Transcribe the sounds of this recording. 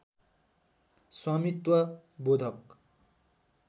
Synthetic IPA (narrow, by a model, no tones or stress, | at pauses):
swamit̪wʌ | bod̪ʱʌk